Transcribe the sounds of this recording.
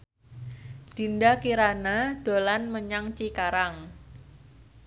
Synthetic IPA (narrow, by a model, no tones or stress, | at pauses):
d̥i̤ndakiɾanad̥o̤lanməɲaŋt͡ʃikaɾaŋ